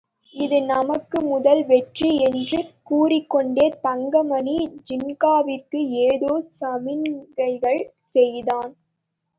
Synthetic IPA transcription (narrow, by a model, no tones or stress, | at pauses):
ɪðɯnɐmɐkːɯmʊðɐlʋɛʈriɛndrɯkuːrɪkːɔɳɖeːt̪ɐŋɡɐmɐnid͡ʒɪnɡaːʋɪkːɯeːðoːsɐmɪnɡɐɪɣɐɭ | sɛjðaːn